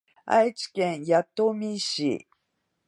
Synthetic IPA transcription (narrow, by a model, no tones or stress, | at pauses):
a̰jt͡ʃi̥kẽŋjat̪ːomiɕḭ